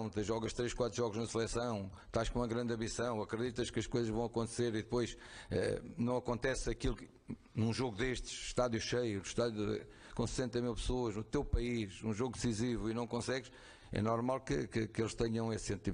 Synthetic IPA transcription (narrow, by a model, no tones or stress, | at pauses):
w̃t̪ɨʒɔɣɐʃt̪ɾeʃkwat̪ɾʒɔɣuʒnɐsɨlˠɛsɐ̃w̃ | t̪aʃkõumɐɣɾɐ̃nd̪ɐ̃misɐ̃w̃ɐkɾɨðit̪ɐʃkɐʃkojzɐʒvɐ̃w̃ɐkõnt̪seɾiðɨpojʃɛ̰nɐ̃w̃ɐkõnt̪ɛsɐkilˠ | nũʒoɣuðeʃt̪ɨ̥ʃʃt̪aðjuʃejunuʃt̪aðjuɛ̰ | kõsɨ̥sẽnt̪ɐmilˠpsoɐʒnut̪ewpɐiʃũʒoɣud̪ɨsizivuinɐ̃w̃kõsɛɣʃ | ɛ̰nɔɾmalˠkɨkɨkelˠʃt̪ɛɲɐ̃w̃essẽnt̪i